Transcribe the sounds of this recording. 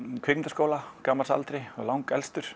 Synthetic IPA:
kʰvɪkmɪnt̪askoːwlakaːmalsa̰lt̪ɾɪɔ̰lawŋkɛlst̪ʏɾ̥

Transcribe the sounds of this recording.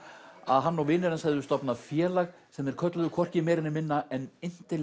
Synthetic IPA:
aðɦanːɔwvɪːnɪɾansaɛjðʏst̪ɔpnafjɛːlaɣ | sɛmɛɾ̥kʰœt̪lʏðʏkʰɔr̥cɪmɛːɾɪnːɪmɪnːaɛnɪn̥t̪ɪ

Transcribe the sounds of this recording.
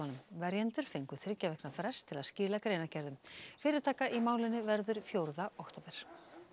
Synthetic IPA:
anʏmvɛɾjɛnt̪ʏɾ̥fejŋkʏ̥θɪɾcavɛknafɾɛ̥st̪ʰːɪlaðscɪːlakɾejnacɛɾðʏmfɪːɾɪɾ̥t̪ʰaːkaʔimaːwlɪnʏvɛɾðʏɾ̥fjowɾðaɔht̪owpɛɾ̥

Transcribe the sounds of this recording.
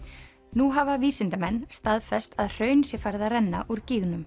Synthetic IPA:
nuɦaːvaviːsɪnt̪amɛnːst̪aðfɛst̪aðr̥œːɥnsjɛfaɾðarɛnːa̰ʔuɾciːɣnʏm

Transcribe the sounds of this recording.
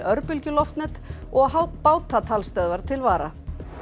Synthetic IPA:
œɾpʏlcʏlɔft̪nɛt̪ | ɔɣɦawt̪paːwt̪ʰat̪ʰalst̪œðvaɾ̥t̪ʰɪlvaːɾa

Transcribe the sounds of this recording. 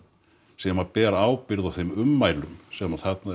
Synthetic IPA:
sɛmapɛːɾaaːwpɪɾðawθejmʏmːaːjlʏmsɛmaðθɛt̪na

